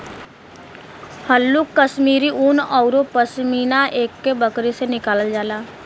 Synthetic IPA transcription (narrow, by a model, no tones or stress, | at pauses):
həlːukːəsmiːɾiʔʊnɔːʊɾopəsmiːnaʔeːkːebəkɾesenɪkaːləd͡ʒaːlaː